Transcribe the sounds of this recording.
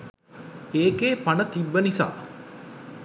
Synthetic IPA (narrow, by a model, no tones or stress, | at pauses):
eːkeːpanət̪ibːənisa̰ː